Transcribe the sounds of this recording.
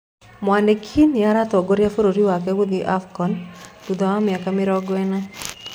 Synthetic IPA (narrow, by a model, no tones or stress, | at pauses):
mwandekʰiniaɾat̪ɔɡoɾjafoɾoɾiwakɛwoðiʔafkɔntud̪aamɪakamɪɾɔɡwɛna